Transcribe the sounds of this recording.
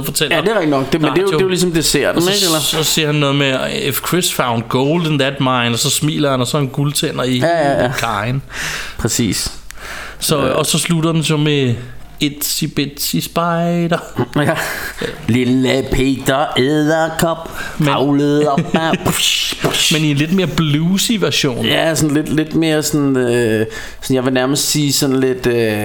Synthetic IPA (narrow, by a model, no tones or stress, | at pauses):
fɒ̽t͡sʰel̰ædeʁɛɡ̚d̥inɒ̽ɡ̥̚d̥emedejdejolis̬ɒ̽md̥e̝seɐ̰d̥neɡ̥elɐsɒse̝ɐ̰hænːɔ̽ːð̞̩ˠmeefkʰʁesfäʊnd̥̚ɡ̥oʊld̥ən̩ðæd̥mɑ̈ɪnɒsɒ̽smḭːlɐhænɒsɒ̽enɡ̥ult͡sʰen̰ɐiæækʰɑ̈ɪnpʰʁɛsḭːs | sɒ̽ɒ̽sɒ̽sludɐd̥en̩some | ed̥sib̥ed̥sisb̥ɑ̈ɪd̥ɐ | liləpʰed̥ɐeðˠɐkʰɒb̥eɑʊləð̩ˠ | menienle̝d̥me̝ːɐb̥luːsiʋæɐɕo̝̰ːnjæsɒnle̝d̥le̝d̥me̝ːɐsɔnø | sɒnjɑ̈ʋe̝næɐməsd̥siːsɒ̽nle̝d̥ø